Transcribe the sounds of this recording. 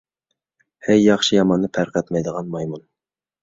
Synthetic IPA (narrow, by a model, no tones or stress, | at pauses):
hæjːɑχʃijɑmɑnːɨpʰæɾqɛt̪mɛjd̪əʁɑnmɑjmun